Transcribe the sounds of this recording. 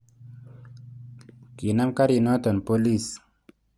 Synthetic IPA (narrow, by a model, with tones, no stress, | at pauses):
ki˨na˦mka˦ɾi˨nɔ˦t̪ɔ˨npo˦li˦˨s